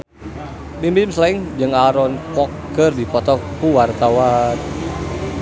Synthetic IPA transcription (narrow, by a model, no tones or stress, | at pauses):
mimbimslaiŋd͡ʒəŋaɾɔnkɔkː | ərdipɔt̪ɔkuwart̪awan